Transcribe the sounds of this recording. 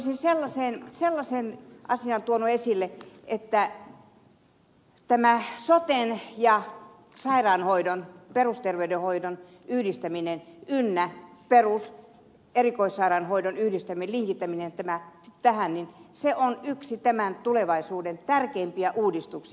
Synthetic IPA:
sinselːɑseːnselːɑsenʔɑsiɑnt̪uonuesilːeʔet̪ːæ | t̪æmæsot̪enjɑ | sɑirɑːnhoidonperust̪erʋeydehoidon | yhdist̪æminenynːæperus | erikoisːɑirɑnhoidonyhdist̪æmieliŋkit̪ːæminent̪æmæt̪æhænninseʔonyksit̪æmænt̪uleʋɑisuːdent̪ærkeːmpiæʔuːdist̪uksi

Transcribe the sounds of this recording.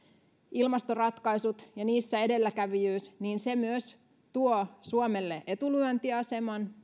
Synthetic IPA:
ilmɑst̪orɑt̪kɑisut̪jɑniːsːæe̞de̞lːækæʋijyːsniːnsemyøs | t̪uosuomelːeʔe̞t̪ulyønt̪iɑse̞mɑn

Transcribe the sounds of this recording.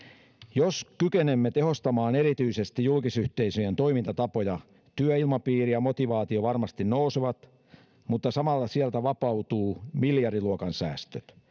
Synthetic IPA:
joskykenemːet̪e̞ɦo̞st̪ɑmɑːne̞ɾit̪yise̞st̪ijulkisyht̪e̞isøjent̪o̞jmint̪ɑt̪ɑpojɑ | t̪yæilmɑpiːrijɑmo̞t̪iʋɑːt̪ioʋɑrmɑst̪innouseʋɑt̪ | mut̪ːɑsɑmɑlːɑsiælt̪æʋɑpɑwt̪uːmiljɑriluokɑnsæ̰ːst̪øt̪

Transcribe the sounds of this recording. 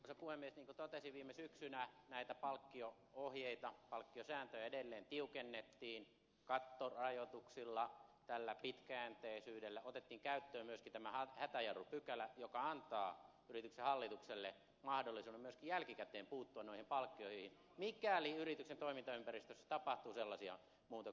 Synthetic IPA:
sepuhemːiesniːŋkut̪ot̪esiʋiːmesyksynænæit̪æpɑlkːio | ohjeit̪ɑpɑlkːiosæːnt̪øjæedelːeːnt̪iukenːet̪ːiːn | kɑt̪ːorɑjot̪uksilːɑt̪ælːæpit̪kæænt̪eisyːdelːæot̪et̪ːiːŋkæyt̪ːøːmmyøskint̪æmæhɑhæt̪æjɑrupykælæjokɑɑnt̪ɑː | yrit̪yksehɑlːit̪ukselːe | mɑhdolːisuːnemyøskijælkikæt̪eːmpuːt̪ːuɑnnoihimpɑlkːioiheihin | mikæliyrit̪yksent̪oimint̪ɑympærist̪øsːæ̥t̪ɑpɑht̪uːselːɑsiɑ̰ | muːt̪o

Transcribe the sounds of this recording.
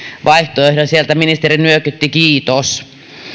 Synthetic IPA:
ʋɑiht̪oehdosielt̪æminist̪erinyøkyt̪ːikiːt̪os

